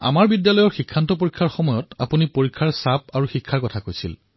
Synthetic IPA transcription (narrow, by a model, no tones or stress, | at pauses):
a̰maɹbidjalɔjɔɹxikʰːantɔp̬oɹikʰːaɹxɔmɔjɔta̰punipoɹikʰːaɹsapaɹuxikʰːaɹkɔtʰakojsḭl